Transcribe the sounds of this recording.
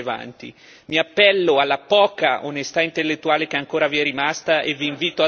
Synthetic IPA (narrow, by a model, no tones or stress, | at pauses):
eva̰nt̪ḭ | miapːɛlːoalːapɔːkaʔonest̪aint̪elːet̪ːuaːlekeaŋkoːɾaviɛrimast̪aʔeviːɱviːt̪oa